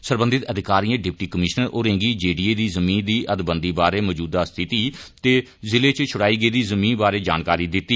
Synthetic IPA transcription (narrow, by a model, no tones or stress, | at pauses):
səɾbə̃nd̪ɪt̪əd̪ɪkaːɾiːãːɖɪp̚ʈiːkəmɪʃnəɾʔoːɾẽːŋɡiːd͡ʒeːɖiːeːd̪iːzəmĩːnd̪iːʔəd̪bənd̪iːbaːɾeːməːd͡ʒuːd̪aːst̪ʰɪt̪iːt̪eː | zɪleːt͡ʃt͡ʃʰʊɽaːiːɡəiːd̪iːzəmĩːnbaːɾeːd͡ʒa̰ːnkaːɾiːd̪ɪt̪ːiː